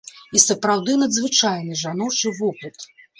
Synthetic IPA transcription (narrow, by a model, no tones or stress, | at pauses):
isɐpɾawd̪ɨnɐd̪zvɨt͡ʂajnɨʐanɔt͡ʂɨvupɨt̪